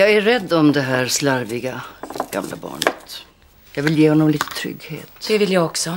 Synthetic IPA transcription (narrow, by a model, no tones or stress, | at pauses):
jɑːɡæɾɛd̪ːɔmd̪ɛɦæːɾslaɾvɪɡaɡ̥a̰mlʔa̰bɑ̰ːɳə̰t̪ | jɑːɡvɪljeːhɔnːɔmliːt̪ə̥t̪ʰɾʏ̰ɡːhḛːt̪d̪̥ɛvɪljaːɡɔksɔ